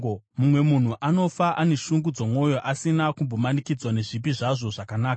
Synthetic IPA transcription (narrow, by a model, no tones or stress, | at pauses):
mumwe̞mun̤uʔano̞faʔane̞ʃuŋɡud͡zomwo̞jo̞ʔasinakumbo̞manikid͡zwane̞ʐip̬iʐaʐo̞ʐakanaːka